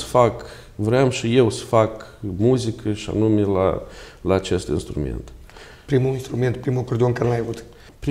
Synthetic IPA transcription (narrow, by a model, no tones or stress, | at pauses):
sə̥fak | vɾeamʃije̞wsə̥fakmuzikʰəʃia̰numela̰laːt͡ʃe̞st̪ḭnst̪ɾṵmḛnt̪ | pɾimuinst̪ɾume̞nt̪pɾimukord̪eonkaɾelajavut̪ | pɾ